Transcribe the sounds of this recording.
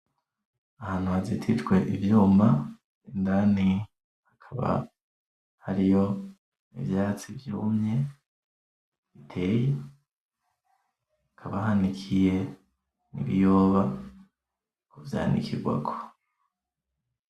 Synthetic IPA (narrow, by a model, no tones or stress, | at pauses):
ahaːn̥huazitʰid͡ʒɡwe̞ʔivjuːma | indani | hakʰaβa̰ | haɾijo̞ | ḭvjaːt͡sivjumɲe̞ | βitʰe̞ːje | akʰaβahanikʰije̞ | nḭβijo̞ːβa | kuvja̰ːnḭkiɾɡwa̰ɡo̥